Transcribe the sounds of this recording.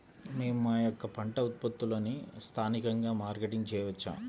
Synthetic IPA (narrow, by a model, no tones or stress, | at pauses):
me̞ːmumaːjɔkːɐpɐɳʈɐut̪̚pɐt̪ːuloːnist̪ʰaːnikɐŋɡaːmaːɾɡeʈiŋt͡ʃɛːjɐʋɐt͡ʃːa̰ːm